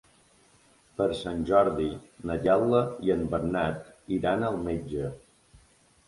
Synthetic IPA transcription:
pəɾsanʲʒɔɾðinəʎalˠəiəmbəɾnat̪iɾanəlˠmed͡ʒə

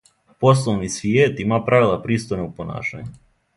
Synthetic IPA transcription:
pos̬lˠoʋnisʋjeːt̪imapɾaʋilˠapɾiːst̪ojnoupona̰ːʃa̰ɲu

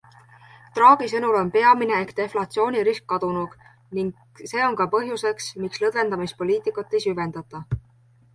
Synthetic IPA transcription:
t̪rɑːɡ̥isɤnulo̞npe̞ɑmine̞ːkt̪e̞flɑt̪sio̞ːnʲiɾiskːɑd̪̥unuɡ̥ | niŋɡ | se̞ːo̞nkɑpɤɦjuse̞ksmikslɤd̪ve̞nd̪ɑmispo̞liːt̪ˑikːˑut̪ːe̞jsyve̞nd̪̥ɑt̪ːˑɑ

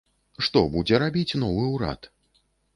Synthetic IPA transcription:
ʂt̪ɔbud͡zʲɛɾabʲit͡sʲnɔvɨuɾa̰t̪

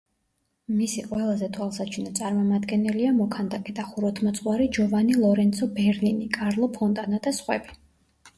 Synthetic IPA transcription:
misiqʼwɛlˠazɛt̪ʰwalˠsat͡ʃʰinat̪sʼaɾmɔmad̪ɡɛnɛliamɔkʰand̪akʼɛd̪aχuɾɔt̪ʰmɔt̪sʼwaɾid͡ʒɔvanilˠɔɾɛnt̪sʰɔbɛɾninikʼaɾlˠɔpʰɔnt̪ʼanad̪asχwɛ̰bi

